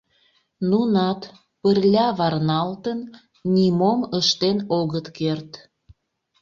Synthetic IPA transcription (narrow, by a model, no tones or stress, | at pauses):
nunɑt̪ | pərlʲɑβɑrnɑlt̪ən | nʲimoməʃt̪enoɣət̪kert̪